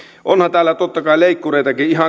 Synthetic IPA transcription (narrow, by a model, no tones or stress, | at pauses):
ʔonhɑnt̪æːlːæt̪ot̪ːɑkɑileikːureˑit̪ɑkiihɑ